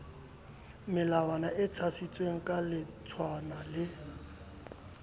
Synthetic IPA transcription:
mɪlawanaʔɪt͡sʰasit͡sʼweŋ̩kʼalɪt͡sʰwanalɪ

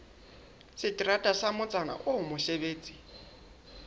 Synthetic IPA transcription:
sɪtʼiratʼasamʊt͡sʼana̰ʔʊʊmʊɬeβeːt͡sʼi̥

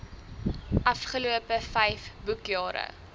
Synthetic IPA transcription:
ʔɐfχəluəpəfɛjfbukjɑːɾə̰

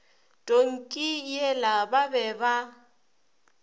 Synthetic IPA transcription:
tʼoŋ̩kʼijɛlababɛba

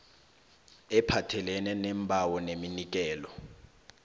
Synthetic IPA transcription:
ɛpʰatʰɛlɛnɛnɛmbʱawɔneminik̬ɛːlɔ

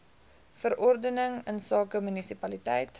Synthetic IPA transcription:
fəɾʔɔrdənəŋənsɑːkəmynisipɐlitɛjt

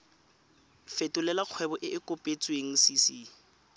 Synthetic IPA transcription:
fetʼʊlɛlaq͡χʰwɛbɔʔɪʔɪkʼʊpʼet͡sʼweŋ̩sisi

